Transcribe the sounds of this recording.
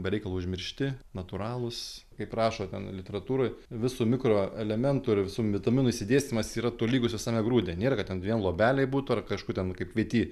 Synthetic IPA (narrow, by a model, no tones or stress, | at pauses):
bʲɛɾʲɛɪkɐlˠoːʊʒʲmʲɪɾʲʃʲt̪ʲɪnɐt̪uɾɑːlˠʊskɐɪprɑːʃoːt̪ʲɛnlʲɪt̪ʲɛɾɐt̪uːɾoːjʋʲɪsuːmʲɪkɾoːɛlʲɛmʲɛnt̪ʊɪrʋʲɪsuːʋʲɪt̪ɐmʲɪnʊisʲɪd̪ʲeːsʲt̪ʲnʲɪmɐsiːɾɐt̪oːlʲiːɡʊsʋʲɪsɑːmʲɛɡɾuːd̪ʲeːnʲeːɾɐkɐtʲɛnʋʲiɛnlˠoɔːbʲæːlʲɛɪbuːt̪ʊɐrkɐʃkuːt̪ʲɛnkɐɪpʋʲiɛt̪ʲiː